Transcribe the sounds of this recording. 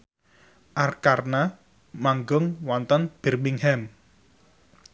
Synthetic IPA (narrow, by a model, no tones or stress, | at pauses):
ʔarkarna | maŋɡʊŋwɔnt̪ənb̥ɛ̤rmiŋhɛm